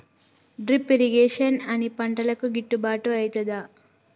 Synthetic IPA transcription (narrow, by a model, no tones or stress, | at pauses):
ɖɾipːiɾiɡeːʂɐnɐnipɐɳʈɐlɐkuɡiʈːubaːʈuɐjt̪ɐd̪aː